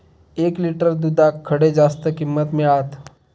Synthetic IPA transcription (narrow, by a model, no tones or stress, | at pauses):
eːkliʈəɾd̪ud̪akʰːɐɽed͡ʒaːst̪əkɪmːət̪mẽaːt̪ʰ